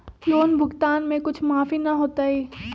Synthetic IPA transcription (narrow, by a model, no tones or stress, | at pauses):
joːnbʱʊɡt̪aːnmẽkʊt͡ʃʰmaːfinɐɦoːt̪aːɦɛː